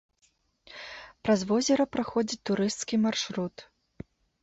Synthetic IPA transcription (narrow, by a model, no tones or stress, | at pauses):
pɾɐzvɔzʲɛɾɐpɾaxɔd͡zʲit͡sʲt̪uɾɨst̪skʲimarʂɾut̪